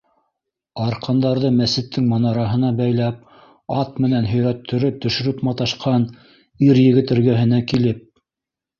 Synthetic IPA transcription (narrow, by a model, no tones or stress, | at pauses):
ɑɾqʰɑnd̪ɑɾðɤmæsɘ̆t̪ːɘŋmɑnɑɾɑɦɤ̆nɑbæjlæp̚ | ɑt̪mɘ̆nænɦɵ̆jɾæt̪ʰːɵ̆ɾɘt̪ɵ̆ʃɵ̆ɾɘpmɑt̪ɑʃqʰɑn | iɾjɘ̆ɣɘ̆t̪ɘ̆ɾɡæɦɘ̆nækilɘp̚